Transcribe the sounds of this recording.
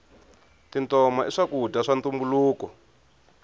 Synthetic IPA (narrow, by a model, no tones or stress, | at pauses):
tintɔmaiʂakudʱaʂant̪umbuluːkɔ